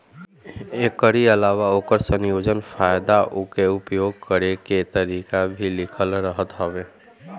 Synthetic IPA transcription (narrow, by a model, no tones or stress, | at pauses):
ekːəɾiəlaːwaoːkəɾsənjoːd͡ʒənpʰajd̪aʔʊkeʊpjoɡ̚kəɾeket̪əɾikabʱilɪkʰəlɾəɦət̪ɦəʋe